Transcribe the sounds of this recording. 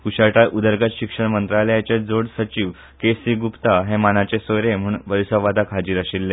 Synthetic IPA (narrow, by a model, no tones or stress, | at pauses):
kuɕaʈaʔud̪əɾɡaɕikʂəɳmənt̪ɾalejat͡ɕed͡zoɽsət͡ɕiːʋ | kesiɡupt̪aɦemanat͡ɕesoɾem̤uːɳʋəɾisəʋad̪ʱakʰad͡ʑiːɾəɕilːe